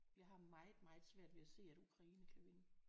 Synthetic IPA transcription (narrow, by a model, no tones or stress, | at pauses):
jɑ̈ɪhɑ̈mɑ̈ɪð̩ˠmɑ̈ɪð̩ˠsʋæɐ̰d̥ʋe̝æse̝̰ːæd̥ukʰʁɑ̈iːnəkʰæʋe̝nə